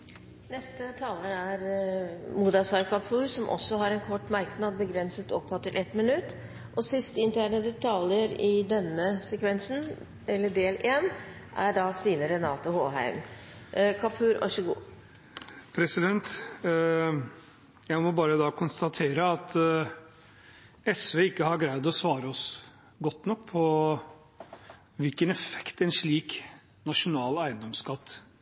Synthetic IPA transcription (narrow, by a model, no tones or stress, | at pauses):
nɛst̪ət̪ʰɑːləɾæɾ | muːd̪ɑsɑɾkʰɑpʰʉːɾsɔmʔɔ̰sːɔɦɑɾɛnkʰɔʈːmæɾknɑd̪̚bəɡɾɛnsət̪ɔpʰːhɑt̪ːɪlʔɛt̪mɪnʉt̪ː | ʔɔsɪst̪əɪnt̪ʰæːɳəd̪ɛt̪ʰɑljəɾɪd̪ɛnːəsɛkʋɛnsn̩ | ɛlːəɖeːleːnʔæɖɑːst̪iːnəɾɛnɑːt̪ʊhoːɦæ̰ɪm | kʰɑpʰʉːɾʔɔ̰ʃəɡṵː | pʰɾɛsɪd̪ɛnt̪ | jæɪmɔbɑːɾəd̪ɑːkʰʊnst̪ɑt̪ʰeːɾəɑt̪ | ɛsʋeːɪkːəhɑɾɡɾæɪd̪ɔsʋɑːɾəɔs | ɡɔt̪ːnɔkːpʰɔ | ʋɪlkənɛfɛ̥kt̪ɛnʂɭiːk | nɑʂʊnɑːlæɪənd̪ɔmskɑt̪ː